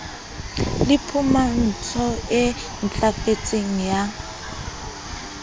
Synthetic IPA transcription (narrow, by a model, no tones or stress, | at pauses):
lɪpʰuman̩t͡sʰɔɪ | n̩t͡ɬʼafet͡sʼeŋ̩ja